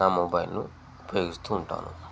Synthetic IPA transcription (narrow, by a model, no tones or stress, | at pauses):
aːmobɐjlnu | pejɡust̪uːɳʈa̰ːnṵ